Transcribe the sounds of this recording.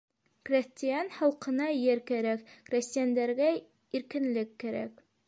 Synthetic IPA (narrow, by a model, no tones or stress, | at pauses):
krʲesʲt̪ʲɪjanhɑlˠqɤ̆nɑjɘɾkæɾækkrʲesʲt̪ʲɪjand̪æɾɡæ | iɾkɘ̆nlɘkːæɾæ̰k